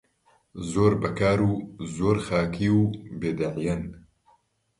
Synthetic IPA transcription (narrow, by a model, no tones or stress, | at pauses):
zoːɾbɐkaːɾuːzoːɾxaːkʰiːuːbeːd̪ɐʕjɐn